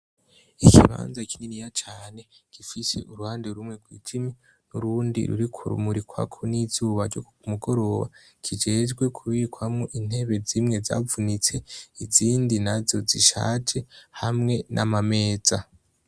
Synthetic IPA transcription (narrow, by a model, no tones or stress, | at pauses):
ikʰḭβa̰ːnzakʰininijat͡ʃaːne̞kifise̞̰ʔuɾuhaːndeɾumŋe̞ɡwḭːd͡ʒimi | nuɾuːndḭɾṵɾikʰṵɾṵmuɾikwa̰kʰonizuːβaɾɟo̰kumuɡo̞ɾo̞βa̰ | kʰid͡ʒe̞d͡ʒɡwe̞kʰuβikwamŋoʔin̥he̞βe̞zimŋe̞za̰vunit͡se̞iziːndinazo̞ziʃa̰ːd͡ʒe̞hamŋe̞nʔamame̞ːza